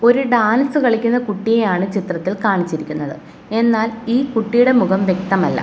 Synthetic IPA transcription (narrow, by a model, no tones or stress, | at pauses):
o̞ɾuɖaːnɐsɨkɐɭikʲːunːɐkuʈːijejaːɳɨt͡ɕit̪rɐt̪ːilkaːɳit͡ɕːiɾikʲːunːɐðɨ | e̞nːaːliːkuʈːijuɽe̞muɣɐmʋje̞k̚t̪ɐmɐlːɐ̰